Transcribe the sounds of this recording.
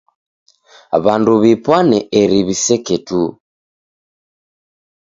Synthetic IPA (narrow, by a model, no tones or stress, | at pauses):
βanduβipwanɛeɾiβisɛketu